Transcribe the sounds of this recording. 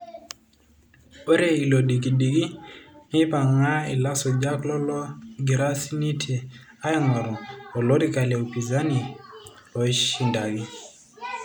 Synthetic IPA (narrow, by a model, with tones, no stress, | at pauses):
bɔ˦ɾe˦i˨lo˨di˨k̬i˨di˨ki˦ni˦pa˨ŋa˦i˨la˦sɔ˨d͡ʒa˦klɔ˦lɔ˦ɡi˨ɾa˦si˦ni˦tʰe˨ | a˦i˦ŋɔ˨ɾɔ˨ɔ˨lo˦di˦ka˨lɛ˨o˨pi˨za˦ni˨ | ɔ˨i˦ʃi˨nda˨ɡi˦